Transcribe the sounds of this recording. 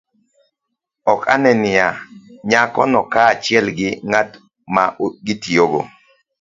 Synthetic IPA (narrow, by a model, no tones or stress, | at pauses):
ɔkʰa̰nɛnɪjaɲakɔ̰nɔkaːt͡ʃɪɛlɡɪŋat | maɡɪtioɡo̰